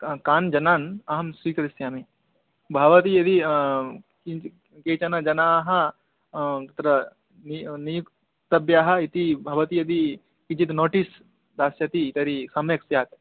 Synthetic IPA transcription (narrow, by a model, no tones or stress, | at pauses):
kaːnd͡ʒɐnaːnɐɦɐmsɾiːkɐɾisjaːmi | bʱɐʋɐt̪ijɐd̪i | i | keːt͡ʃɐnɐd͡ʒɐnaːɦɐ̆ | ɐt̪ɾɐ | ninijuk | t̪ɐbjaːɦɐ̆it̪ibʱɐʋɐt̪ijɐd̪i | kid͡ʒit̪noːʈis | d̪aːsjɐt̪it̪ɐɾisɐmjɐksjaːt̪